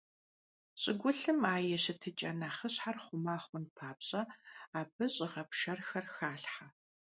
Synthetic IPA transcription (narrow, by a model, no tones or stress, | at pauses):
ɕʼɪɡʷʊɬɨmaːjɛɕɪtʰɨt͡ʃʼɐnaːχəɕħarχʷʊmaːχʷʊnpʰaːpɕʼɐaːbɨɕʼɪʁɐpʃɐrxɐrxaːɬħa